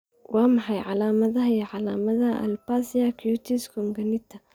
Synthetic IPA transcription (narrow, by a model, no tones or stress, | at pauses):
wɑːmɑħɑjʕɑlaːmɐðɐɦɐjɛʕɑlaːmɐðɐʔɐ̰lpasijakʰjut̪ʰiskʰɔŋɡɐnɪt̪ʰɐ